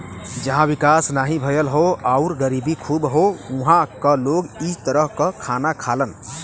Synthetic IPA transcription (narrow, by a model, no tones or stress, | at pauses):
d͡ʒəɦãʋikasnaɦibʱəjəlɦoaʊɾɡəɾibikʰubɦouɦãkəloɡit̪əɾəɦkəkʰanakʰalən